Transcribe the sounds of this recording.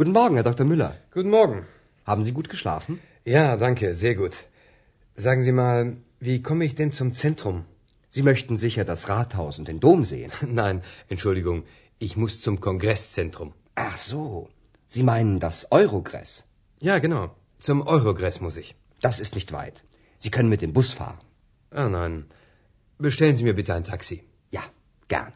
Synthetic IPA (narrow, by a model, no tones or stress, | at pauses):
ɡ̥uːtn̩mɔɐɡŋ̩hɛɐdɔktɐmʏlɐ̰ɡ̥uːtn̩mɔɐɡŋ̩ | haːbm̩ziːɡuːtɡ̥əʃla̰ːfn̩ | jaːdaŋkəzeːɐɡuːt | z̥aːɡŋ̩ziːmaːl | viːkʰɔməɪçd̥ɛnt͡sʊmt͡sɛntʁ̥ʊm | z̥iːmœçtn̩zɪçɐdasʁaːthaʊsʊntd̥eːndoːmzḛːə̰nnaɪnʔɛntʃʊldɪɡʊŋ | ʔɪçmʊst͡sʊmkʰɔnɡʁɛst͡sɛntʁ̥ʊm | ʔaχz̥oː | z̥iːmaɪnəndasʔɔʏʁoɡʁɛ̰s | jaːɡənaʊ | t͡sʊmʔɔʏʁoɡʁɛsmʊsɪç | d̥asɪstnɪçtv̥a̰ɪt | z̥iːkʰœnənmɪt̚d̥eːmbʊsfa̰ːʁən | ʔaːnaɪn | bəʃtɛlənziːmiːɐbɪtəaɪntʰaksi | ja̰ː | ɡ̥ɛ̰ɐn